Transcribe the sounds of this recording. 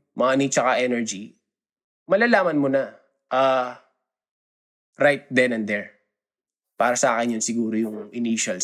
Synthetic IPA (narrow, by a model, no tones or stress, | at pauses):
mɐŋanit͡ʃɐkɐʔɛnɛɹd͡ʒi | mɐlaːlaːmɐnmonɐ | ʔa | ɾajt̪̚d̪ɛnɐnd̪ɛɹ | paːɾɐsɐʔaːkɛnjʊnsɪɡuːɾojʊŋʔɪniʃɐl